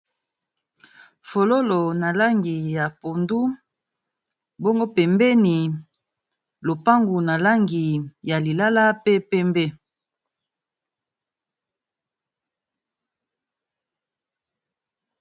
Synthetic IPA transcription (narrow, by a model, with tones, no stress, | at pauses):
fo˨lo˦lo˨na˨la˦ŋɡi˨ja˨po˨ndu˦ | bo˦ŋɡo˦pɛ˨mbɛ˦ni˨ | lo˨pa˦ŋɡu˨na˨la˦ŋɡi˨ja˨li˨la˦la˦pe˦pɛ˦mbɛ˦